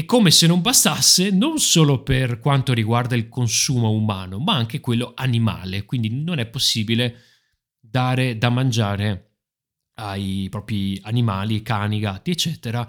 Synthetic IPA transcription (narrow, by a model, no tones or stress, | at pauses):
ekːomesenːombast̪asːenonsoːloperkwant̪oɾiɡward̪ailkonsuːmoumaːnomaaŋk̟ekwelːoanima̰ːlekwind̪inonɛpːosːiːbile | d̪aːɾed̪amːand͡ʒaːɾe | ajpɾɔːpɾianimaːlikaːniɡat̪ːiet͡ʃːɛːt̪eɾa